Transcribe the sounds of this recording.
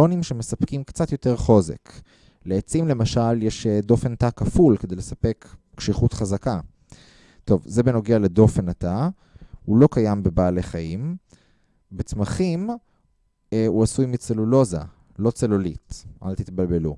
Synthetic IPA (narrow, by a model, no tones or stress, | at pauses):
onimʃeme̞sapkimkt͡sat̪jo̞te̞ʁχo̞ze̞̰k | leːt͡simle̞maʃaljeʃd̪o̞fe̞natakafulke̞d̪ejlesape̞k | ʃiχutχazaka | to̞vzebeno̞ɡeale̞do̞fe̞nata | ulo̞kajambe̞baːleχaim | bet͡smaχim | uasujmit͡selulo̞za̰ | lo̞t͡selolitʔalt̪it̪balbe̞lu